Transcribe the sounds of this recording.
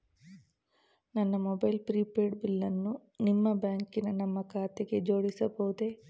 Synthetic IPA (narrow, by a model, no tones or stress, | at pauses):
nɐnːɐmɔbɐjlpɾiːpeːɖbilːɐnːunimːɐbjaːŋkinɐnɐmːɐkʰaːt̪eɡe̞d͡ʒo̞ːɽisɐbɐʋud̪e̞